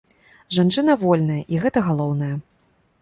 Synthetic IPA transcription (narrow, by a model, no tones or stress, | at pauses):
ʐant͡ʂɨnɐvɔlʲnɐjɐʔiɣɛt̪ɐɣalˠɔwnɐjɐ